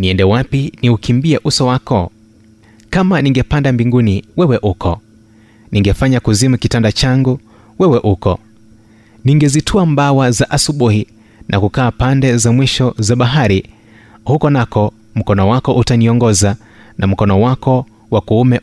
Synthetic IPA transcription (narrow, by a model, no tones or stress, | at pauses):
niɛndɛwapiniukimbiɛʔusɔwakɔ | kamaniŋɡɛpandambiŋɡuniwɛwɛʔukʰɔ | niŋɡɛfaɲakuzimukitandat͡ʃaŋɡu | wɛwɛʔukɔ | niŋɡɛzitʰuambawazaʔasuɓuhi | nʔakukaːpandɛzamwiʃɔzaɓaɦaɾi | hukɔnakɔ | m̩kɔnɔwakɔʔutaniɔŋɡɔza | nʔam̩kɔnɔwakɔ | wakuumɛ